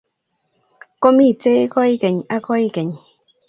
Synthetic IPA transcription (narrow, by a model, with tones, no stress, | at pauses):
ko˦mi˦˨t͡se˦ko˦jke˨ɲa˦ko˦jke˨ɲ